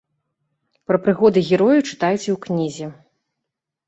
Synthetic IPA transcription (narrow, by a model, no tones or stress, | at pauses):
pɾɐpɾɨɣɔd̪ɨɣʲɛɾɔjut͡ʂɨ̥t̪ajt͡sʲɛwknʲizʲɛ